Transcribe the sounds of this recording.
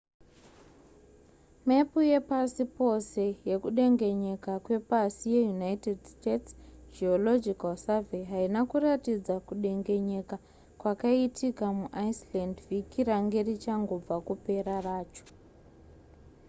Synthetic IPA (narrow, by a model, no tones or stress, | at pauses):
me̞puje̞pasipo̞se̞je̞kuɗe̞ŋɡe̞ɲe̞kakwe̞pasije̞junaitedstetsd͡ʒiolo̞d͡ʒikalsaveɦainakuratid͡zakuɗe̞ŋɡe̞ɲe̞ka | kwakaitʰikamuʔajslandvikiraŋɡe̞rit͡ʃaŋɡo̞b͡vakupe̞ɾaraːt͡ʃo̥